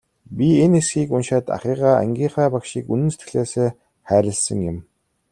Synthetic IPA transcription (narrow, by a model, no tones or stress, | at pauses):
pʲienesxiːkunʃaːt̪a̰χiːʁaːæ̰ŋɡʲiːχæːpakʃiːkunɘ̆nse̥t̪ɡɘ̆ɮeːseː | χæːɾʲɪ̆ɮsə̆ŋjɪ̆m